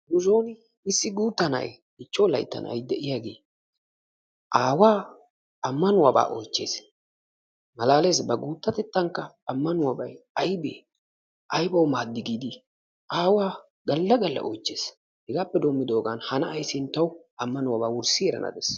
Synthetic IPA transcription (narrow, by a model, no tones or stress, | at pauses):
nʊzoːnɪ | ɪsːɪɡuːt̪ːɐnɐ̰j | ɪt͡ʃːowlɐ̰jt̪ːɐ̰nʔɐ̰jd̪ɛʔɪjaɡe̞ː | ʔaːwaː | ɐmːɐnʊwaba̰ːʔɔ̰jt͡ʃːe̞̰ːs | mɐlaːleːsbɐɡuːt̪ːɐt̪ɛt̪ːɐŋkːɐːmːɐnʊwabɐjɐjbḛː | ʔɐjbɐwmaːd̪ːɪɡiːd̪ɪ | ʔaːwaː | ɡɐlːɐɡɐlːɐ̰ʔɔjt͡ʃːe̞ːs | hɪɡaːpːɛd̪omːɪd̪o̞ːɡɐnhɐnɐʔːjsɪnt̪ːɐwɐmːɐnʊwabaːwʊɾsɪɛɾɐ̰nɐ̰d̪ḛs